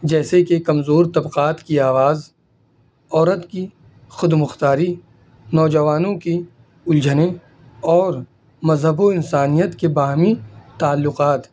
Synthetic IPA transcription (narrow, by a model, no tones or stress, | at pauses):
d͡ʒɛːsekekɐmzoːɾt̪ɐbqaːt̪kiaːʋaːz | ɔːɾət̪ki | xʊd̪mʊxt̪aːɾi | nɔːd͡ʒɐʋaːnõki | ʊld͡ʒəne | ɔːɾ | mɐzɦəboɪnsaːnijət̪kebaːɦmit̪aːlːʊqaːt̪